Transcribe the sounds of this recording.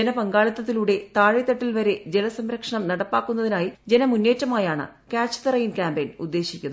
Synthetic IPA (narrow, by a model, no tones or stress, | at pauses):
d͡ʑenɐpɐŋɡaːɭɐt̪ːɐt̪ːiluːɽe̞t̪aːɻit̪ːɐʈːilʋɐɾe̞d͡ʑelɐsɐmɾɐkʂɐɳɐmnɐɽɐpːaːkːunːɐðinaːjid͡ʑenɐmunːe̞ːtːɐmaːjaːɳɨ̰kaːt͡ɕːɐ̥t̪ɐrɐjinkaːmbejnud̪ːe̞ːɕikʲːunðɨ